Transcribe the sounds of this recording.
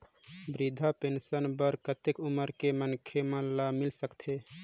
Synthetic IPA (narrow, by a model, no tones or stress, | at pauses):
bɾid̪ʱapensənbəɾkət̪ekuməɾkemənkʰemə̃lamilsəkt̪ʰe